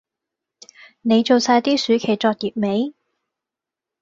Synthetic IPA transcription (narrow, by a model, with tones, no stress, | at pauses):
ne˨˧jt͡so˨wsaː˧jt̪iː˥syː˨˧˥kʰe˨˩t͡sɔː˧t̚jiː˨p̚me˨˧˥j